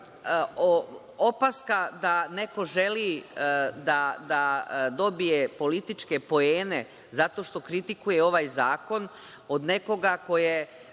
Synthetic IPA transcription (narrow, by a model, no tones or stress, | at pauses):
o | opaskad̪ane̞ko̞ʒe̞li | d̪ad̪ad̪o̞bije̞po̞lit̪it͡ʃke̞po̞eːne̞ | zat̪o̞ːʃt̪o̞kɾit̪ikujeo̞ʋajzaːko̞n | o̞d̪ne̞ko̞ɡako̞je